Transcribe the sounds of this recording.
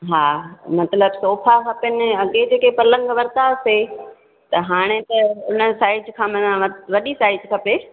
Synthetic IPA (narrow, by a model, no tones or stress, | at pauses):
ɦaːmɐt̪ləbsoːfʰakʰɐpənɪ̆ɐɠed͡ʑeːkepɐlə̃ŋɡʋɐɾt̪aːse | t̪ɐɦaːɽ̃et̪ɐʊn̤ə̆saːɪd͡ʒkʰãːmɐ̃ãʋɐʋɐɗisaːɪd͡ʒkʰɐpe